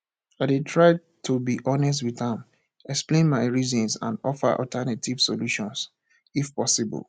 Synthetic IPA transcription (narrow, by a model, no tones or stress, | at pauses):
adetʰɹaɪ | tʰubiʔɔnɛs̬twiðãm | ɛksplẽnmaɪɹizɔ̃nsã̰ndɔfə̰ʔɔ̰ltʰɛnatʰiv̥soluʃɔ̃ns | ifpɔsibɔ̰l